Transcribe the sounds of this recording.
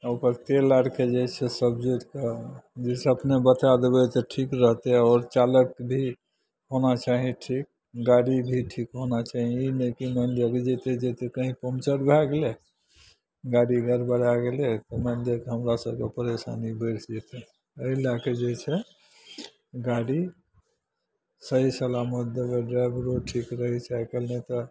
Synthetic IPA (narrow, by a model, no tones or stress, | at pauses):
opəɾt̪elaɽked͡ʒet͡ʃʰɛsəbd͡ʒot̪ked͡ʒesʰeəpnebət̪ad̪ebɛt̪ɔʈʰikɾəɦt̪eɔːɾt͡ʃaləkbʱi | ɦonat͡ʃaɦĩʈʰik̚ | ɡaɽibʱiʈʰikɦonat͡ʃaɦĩinekimənd̪jeked͡ʒɛt̪ed͡ʒet̪ekəɦĩpomt͡ʃəɾbʱɛɡle | ɡaɽiɡʱəɾbəɽaɡelek̪mənd̪jekeɦəmɾasəbkepəɾesa̰nibəɪɾʰd͡ʒet̪e | əilaked͡ʒet͡ʃʰɛ | ɡaɽi | səɦisəlamət̪̚d̪əɡeɖɾajbɾoʈʰikɾəɦɛt͡ʃʰɛkelnet̪ɔ